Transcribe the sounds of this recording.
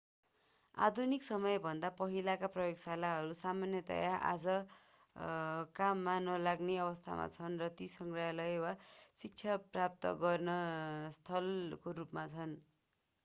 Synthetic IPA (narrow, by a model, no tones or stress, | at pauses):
a̰d̪ʱuniksʌmʌjbʱʌnd̪apʌɦilakaprʌjoɡsalaɦʌɾusamanjʌt̪ʌ̰jaʔa̰d͡zʌ | kamːanʌlaɡneʌβʌst̪ʰa̰ma̰t͡sʰʌnrʌt̪isʌŋɡrajalʌjwasik̚t͡sʰaprap̚t̪ʌ̰ɡʌrnʌst̪ʰʌlkoɾupmat͡sʰʌn